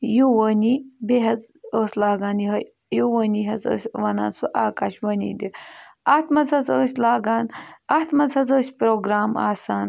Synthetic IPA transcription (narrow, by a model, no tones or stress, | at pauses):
juwɐnibeɦɐzəːslaːɡaːnɦɐ | juwəniɦɐzə̰ːsʲʋɐna̰ːnsuʔaːkaʃwɐnḭːd̪iat̪mɐzɐzəːsʲlaːɡaːnat̪ʰmɐzhɐzəːsʲpɾoːɡɾaːma̰ːsaːn